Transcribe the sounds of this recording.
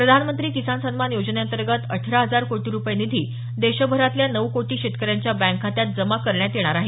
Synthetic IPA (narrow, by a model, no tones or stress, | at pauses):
pɾəd̪ʱanmənt̪ɾiːkisansənmanjod͡ʑəneənt̪əɾɡət̪ə̰ʈʰɾaɦəd͡zaɾkoʈiːɾupəjenid̪ʱiː | d̪eɕəbʱəɾat̪ljanəʋkoʈiːɕet̪kəɾjaɲt͡ɕjabæ̃ŋkʰat̪jat̪̚d͡zəmakəɾɳjat̪eɽ̃aɾaɦe